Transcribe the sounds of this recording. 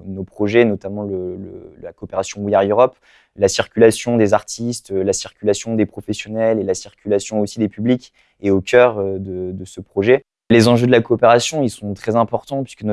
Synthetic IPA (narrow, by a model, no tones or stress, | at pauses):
nopχɔʒɛnɔt̪amɑ̃lələlakoːpeʁasjɔ̃wijaʁøʁɔp | lasiʁkʲylasjɔ̃d̪ezaʁt̪ist̪lasiʁkʲylasjɔ̃d̪epχɔfɛsjɔnɛlelasiʁkʲylasjɔ̃osid̪epyblikʲ | eokʲœʁød̪əd̪əsəpχɔʒɛ | lezɑ̃ʒød̪əlakoːpeʁasjɔ̃ilsɔ̃t̪χɛzɛ̃pɔʁt̪ɑ̃pɥi̥skən